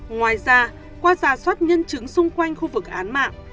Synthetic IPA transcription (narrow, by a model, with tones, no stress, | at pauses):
ŋwaː˨˩jzaː˧ | kwaː˧zaː˧˩swə˦˥t̚ɲə˧nt͡ɕɨ˨˦ŋsʊ˧ŋ͡mkwa˧jŋ̟xu˧vɨ˨˩k̚ʔaː˨˦nma̰ː˧˨ŋ